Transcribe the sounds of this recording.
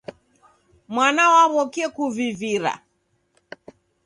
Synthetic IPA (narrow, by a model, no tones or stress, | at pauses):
mwanawaβɔkiɛkuviviɾa̰